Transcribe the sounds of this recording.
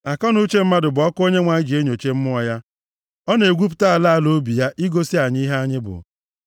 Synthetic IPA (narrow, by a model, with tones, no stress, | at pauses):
a˨kɔ˦nu˦t͡ʃe˦m̩˦ma˦dʊ˨bʊ˨˦ɔ˦ko˦ɲe˦ŋʷa˨ɲɪ˦d͡ʒi˨e˦ɲo˨t͡ʃe˦m̩˦mʊ˦ɔ˨ja˦ | ɔ˦ne˨ɡʷu˦p̬ʊ̥˨˦ta˦a˨la˦a˦˨lo˦bi˨ja˦ʔi˦ɡo˦si˦a˨ɲ˦i˦ɦa˦ɲɪ˦bʊ̰˨